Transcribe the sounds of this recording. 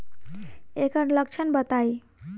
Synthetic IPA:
ekəɾləkt͡ʃʰənbət̪aj

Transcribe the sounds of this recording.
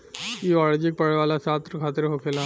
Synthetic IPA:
iːɔɭd͡ʑik̚pəɭʋalasat̪ɾəkʰat̪əɾɦokʰela

